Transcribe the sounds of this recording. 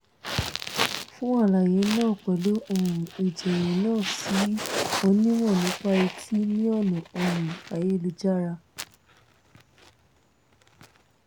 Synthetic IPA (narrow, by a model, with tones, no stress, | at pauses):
fũ˦a˦˨la˨jẽ˨˦nãː˦˨k͡pɛ˨˦lo˦ʔo˦˨ɾũ˨i˨d͡ʒɛ˨jɛ̃˨˦nãː˦˨si˨˦o˧nĩ˦mɔ̃˦˨nĩ˨˦k͡pa˦i˧tʰi˦nĩ˦ɔ˦˨nũ˨o˧ɾũ˨a˨je˦lu˧d͡ʒa˦ɾa˧